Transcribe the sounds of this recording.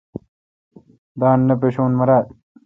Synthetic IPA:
d̪aːnːɐp̬eɕuːnmɐɾaːt̪

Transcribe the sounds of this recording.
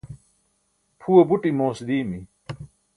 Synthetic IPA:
pʰuwɐbuʈimoːsd̪iːmi

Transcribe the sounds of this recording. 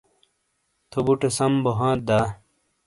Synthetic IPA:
t̪ʰobuʈesɐmboɦãːt̪̚d̪aː

